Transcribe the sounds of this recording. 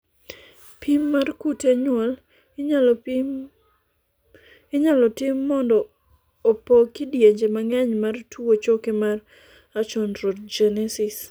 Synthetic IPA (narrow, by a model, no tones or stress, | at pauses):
pʰimːarkuteɲwɔl | ɪɲalɔtɪmːɔndɔː | pokɪdjeɲd͡ʒemaŋɛɲmartuwot͡ʃokɪmar | at͡ʃɔnɾot̚d͡ʒɛnɛsis